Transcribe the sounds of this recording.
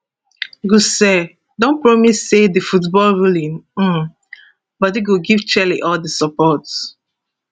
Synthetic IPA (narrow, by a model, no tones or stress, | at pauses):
ɡusɛ | dõnpɹɔmisːedəfutbɔlɹulĩnm̩ | bʌtiɡoɡivt͡ʃɛliʔɔldəsɔpɔt